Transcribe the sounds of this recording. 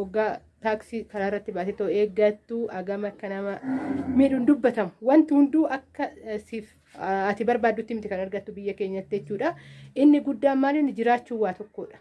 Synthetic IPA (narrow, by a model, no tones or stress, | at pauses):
ɔɡːaː | t̪aːksɪkɐɾaːɪrːɐt̪ːɪbaːsɛt̪ːɐeːɡɐt̪ːuʔɐɡɐmɐkːɐnɐmɐmɪᶑʊnd̪ʊbːɐt̪ɐmʊ̥wɐnt̪ɪhʊnd̪uːʔɐkːɐsɪf | ɐt̪ɪbɐɾbaːd̪ːʊt̪ːɪmɪt̪ɪkɐnɐɾɡɐt̪ːʊbɪjːɐke̞ːɲːɐt̪ːɪɛt͡ʃːuːᶑɐʔɪnːɪɡʊd̪ːaːnmaːlɪnːɪd͡ʒɪɾaːt͡ʃːuːwːaːt̪ɔkːoːᶑɐ̥